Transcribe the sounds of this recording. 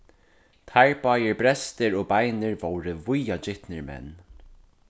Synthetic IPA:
t̪ʰaɹpaːjɪɹbɾɛst̪ɪɾɔːbajnɪɹvowɾɪvʊjad͡ʒɪht̪nɪɹmɛ̰nː

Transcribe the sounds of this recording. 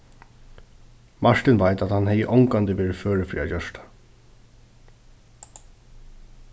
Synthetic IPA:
maɹt̪ɪnʋajt̪at̪hanhɛjəʔɔŋkant̪ɪʋeːɹɪføːɹɪfɾḭːa̰t͡ɕœʂt̪ḁ

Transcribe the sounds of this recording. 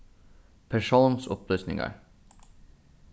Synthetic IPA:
pʰæʂuːnsʊ̰plyːsnɪ̰ŋə̰ɹ

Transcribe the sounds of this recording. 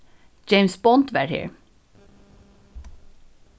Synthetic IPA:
d͡ʒeɪmsbɔnt̪ʋæɾhḛːɹ

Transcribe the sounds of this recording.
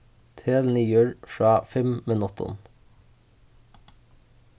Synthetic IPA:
t̪ʰeːlniːjøɽfɹɑːfɛmmeːnɔt̪ʊ̰n

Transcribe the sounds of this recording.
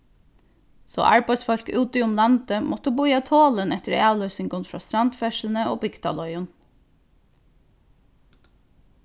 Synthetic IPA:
so̰ːʔæ̰ɹpɑsfɔʎkʉːt̪əʊmlɑnt̪əmʔɔt̪əbuʏɑːt̪ʰoːlənɛt̪əɾæːlœsɪŋɡʊnfɾɑ̰st̪ɾɑnt̪fɛʃln̩əʔo̰ːbɪɡt̪ʰɑ̰lɔʏən

